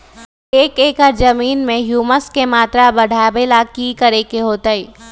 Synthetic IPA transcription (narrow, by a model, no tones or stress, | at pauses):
eːkeːkəɾd͡ʒɐmiːnmẽɦjuːməskemaːt̪ɾabɐɽ̤ʱaːbelakikɐɾekeɦoːt̪aiː